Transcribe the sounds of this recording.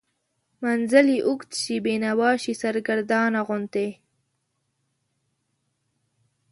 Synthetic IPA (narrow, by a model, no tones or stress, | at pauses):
manzəliʔʊkt̪ʃibenawɑːʃisaɾɡaɾd̪ɑːnaɣʊnt̪e